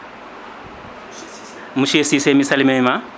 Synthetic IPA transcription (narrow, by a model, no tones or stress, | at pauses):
muʃesisemisalimɛma